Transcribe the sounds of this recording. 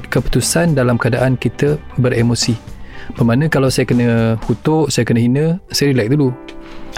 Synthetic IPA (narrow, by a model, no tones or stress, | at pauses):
kəpu̥t̪usandalamkəadaʔankit̪əbəɾemosibəmanə̃kalawsajakənəhut̪oʔsajakənə̃ɦinə̃sajaɾilak̚dulu